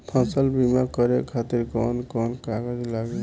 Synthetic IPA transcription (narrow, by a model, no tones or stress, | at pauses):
pʰə̃səlbimakʌɾekʰat̪iɾkɔnkɔnkaɡəd͡ʒlaɡe